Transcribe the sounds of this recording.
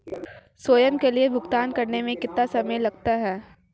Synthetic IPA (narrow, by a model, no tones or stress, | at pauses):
swoːjəmkeliebʱʊɡt̪aːnkɐɾnemẽkɪt̪ːasɐməjlɐɡt̪aɦɛː